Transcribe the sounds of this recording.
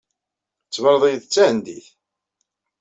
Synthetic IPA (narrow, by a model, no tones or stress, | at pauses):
t͡sːvəɾˤðˤijðt͡sːæhənd̪iθ